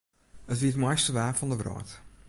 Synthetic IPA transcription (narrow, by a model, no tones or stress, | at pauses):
ətʋiətmɔjstəʋæːfɑndəvrɑ̰ːt